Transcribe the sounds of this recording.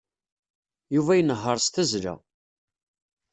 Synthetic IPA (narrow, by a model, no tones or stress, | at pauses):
juvæjənəɦːəɾˤst̪æzlæ̰